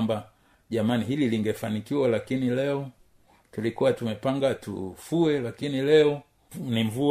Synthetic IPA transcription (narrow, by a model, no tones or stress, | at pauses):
mba | ʄamaniɦililiŋɡɛfanikiwalakinilɛɔ | tulikuwatumɛpaŋɡatṵfuɛlakinilɛɔ | niɱvu